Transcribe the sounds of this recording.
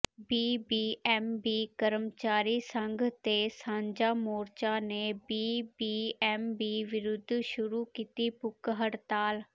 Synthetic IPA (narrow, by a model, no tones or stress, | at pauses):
biːbiːʔɛːmbiːkəɾəmt͡ʃaːɾiːsəŋɡʱt̪eːsãːɲd͡ʒaːmoːɾt͡ʃaːneːbiːbiːɛːmbiːʋɪɾʊd̪ʱːʃʊɾuːkiːt̪iːpʊkɦəɽt̪aːl